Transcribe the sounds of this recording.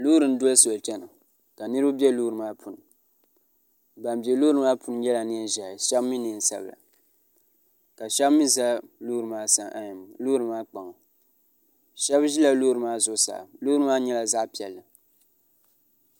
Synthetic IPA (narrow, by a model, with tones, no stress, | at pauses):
lu˦ɾɨ˨n˦dʊ˦so˨ltɛ˦nɨ˨ | ka˨nɨ˦ɾɨ˦bu˦bjɛ˦luː˦ɾɨ˨maː˦pʰu˨n˨ | ba˨nbɛ˨luː˦ɾɨ˨˦maː˦pʰu˦n˦jɛ˦la˨ni˦ʒa˨ʃɛ˦bmi˦ni˨n˨sa̰˦bla̰˨ | ka˨ʃɛ˦bmi˦za˦luː˦ɾɨ˨maː˦sa˨ŋʔa˦ɲi˨m˨lu˦ɾɨ˨maː˦k͡pa˨ŋɔ˨ | ʃɛ˦bʒi˦la˦luː˦ɾɨ˨maː˦zʊ˦sa̰ː˨luː˦ɾɨ˦maː˦ɲɛ˦la˨za˦ʔpi˨ɛ˨lːɨ˨